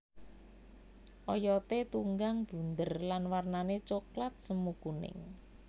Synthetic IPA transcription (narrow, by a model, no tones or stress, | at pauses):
ʔɔjɔt̪et̪uŋɡaŋb̥ṳnd̪ərlanwarnanet͡ʃoklat̪̚səmukunɪ̰ŋ